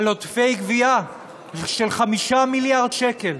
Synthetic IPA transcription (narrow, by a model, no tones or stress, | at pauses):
lot̪fejɡvia | ʃelχamiʃamiljaʁd̪ʃeke̞l